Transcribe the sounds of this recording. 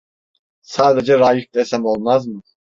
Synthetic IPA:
saːd̪ed͡ʒɛɾaːjif̚d̪esæmo̞lˠmazmɯ

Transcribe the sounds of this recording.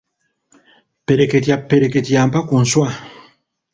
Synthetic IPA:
peɾeketiapeɾeketiampakun̩swa

